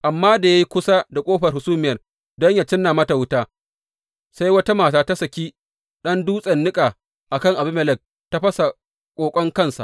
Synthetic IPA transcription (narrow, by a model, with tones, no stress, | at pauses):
ʔa˨mːaː˦da˨ja˦ji˦kʷʊ˦sa˦da˨kʷʼoː˦ɸɐ˨rhʊ˨suː˦mɪ˦jɐ˨r | dɔ˦ɲja˨t͡ʃɪ˦nːa˨mɐ˦ta˨wʊ˦taː˦ | sa˦jwɐ˦ta˦maː˨taː˦ta˦sɐ˨kʲiː˦ | ɗɐ˦nduː˦sʼɐ˨nːɪ˦kʼaː˨ | ʔa˨kɐ˦ŋʔa˨bɪ˦mɛ˨lɛ˦˨k̚ | ta˦ɸɐ˦sa˨ | kʷʼoː˨kʷʼɔ˦ŋkɐ˦nsa̰˨ʔ